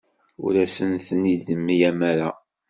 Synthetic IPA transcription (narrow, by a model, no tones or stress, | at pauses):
ṵɾæsənθənid̪əmːijæmæɾa